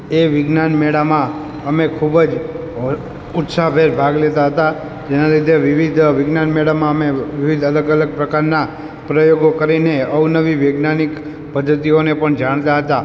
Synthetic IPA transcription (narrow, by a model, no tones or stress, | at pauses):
eʋɪɡnanmeɽamã | əmekʰubəd͡ʒ | ʊt̪sabʱeɾbʱaɡlet̪aɦət̪a | d͡ʒenalid̪ʱeʋɪʋid̪ʱʋɪɡnanmeɽamãəmeʋiʋid̪ʱələɡələɡ̚pɾəkaɾna | pɾəjoɡokəɾineəwnəʋiʋeɡnanik | pəd̪ʱːət̪ionepəɳd͡ʒaɳ̃t̪aɦət̪a